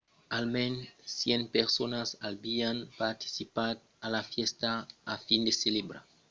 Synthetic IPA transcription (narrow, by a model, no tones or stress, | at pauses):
almẽnsjenpeɾsonasalbianpaɾt̪i̥sipat̪̚ | alafjest̪aafind̪eselebɾa̰